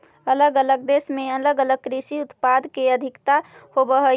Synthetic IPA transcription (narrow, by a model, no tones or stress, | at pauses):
ələɡələɡd̪esmẽələɡələɡ̚kɾisiʊt̪pad̪keəd̪ʱɪkt̪ahobəɦə